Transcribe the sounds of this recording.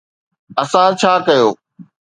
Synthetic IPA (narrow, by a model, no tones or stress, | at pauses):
ɐsãt͡ɕʰaːkɐjoː